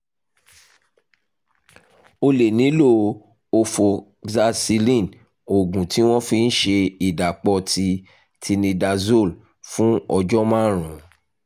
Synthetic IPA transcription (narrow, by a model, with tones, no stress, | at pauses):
o˧le˨nĩ˨˦lo˦˨ | o˧fo˨ | za˧si˧lĩ˦˨n | o˨ɡũ˨ti˨˦w̃ɔ̃˦fi˧n̩˦ʃe˧i˨da˨k͡pɔ˧tʰi˧ | tʰi˧nĩ˧da˧zo˦˨l | fũ˦ɔ˧d͡ʒɔ˦mã˦ɾ̃ũ˨˦